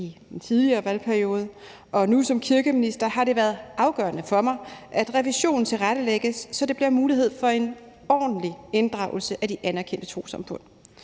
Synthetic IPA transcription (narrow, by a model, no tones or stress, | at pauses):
id̥ent͡sʰiðˠliɐːʋælpʰæɐio̝ːð̞ˠə | ʔɒ̽nusɒ̽mkʰiɐɡ̥əminisd̥ɐɦɑ̈ɾ̥e̝ʋæːɐð̩ˠɑ̈ʊɡ̥ɶːɐnəfɒ̽mɑ̈ɪʔæd̥ʁɛʋiɕo̝̰ːn̩t͡sʰe̝lʁaɾ̥əleɡ̥əsːɒ̽d̥e̝b̥liɐmuːliɦe̝ð̞̰ˠfɒ̽e̝n | ɒ̰ːd̥n̩liend̥ʁɑ̈ʊl̩səʔæd̥iʔænɐkʰen̰d̥ət͡sʰo̝̰ːsɑ̈mfɔ̽n̰